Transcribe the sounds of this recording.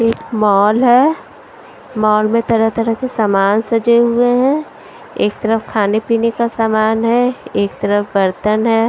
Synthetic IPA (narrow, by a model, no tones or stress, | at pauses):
eːkmɔːlɦɛː | mɔːlmẽt̪ɐɾət̪ɐɾəkesaːmaːnsɐd͡ʒeɦʊeɦɛ̃ | eːk̚t̪ɐɾəfkʰaːnepiːnekasaːmaːnɦɛeːk̚t̪ɐɾəfbɐɾt̪ənɦɛː